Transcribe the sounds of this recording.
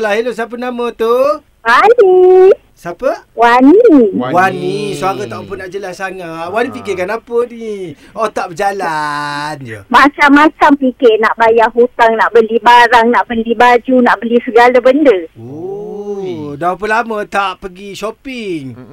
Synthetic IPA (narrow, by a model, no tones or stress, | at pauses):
lahilos̬ap̬ənamət̪u | wani | sapəwaniwanisuaɾət̪aʔupənaʔd͡ʒəlasːaŋat̪̚wanipikikanapəni | ot̪aʔbəd͡ʒalanmat͡ʃamːat͡ʃampikɪʔnaʔbajaʔɦut̪aŋnaʔbəlibaɾaŋnaʔbəlibad͡ʒunaʔbəlisəɡalabəndəo | dap̬əlamət̪aʔpəɡiʃopiŋ